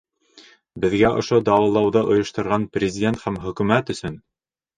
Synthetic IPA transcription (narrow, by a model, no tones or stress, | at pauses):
bɘ̆ðɡæʔŏ̰ʃod̪ɑwˠɤ̆lˠɑwðɤʔŏjŏʃt̪ŏɾʁɑnprʲɪzʲɪdʲe̞nt̪hæmχɵ̆kʉmæt̪ɵ̆sɵn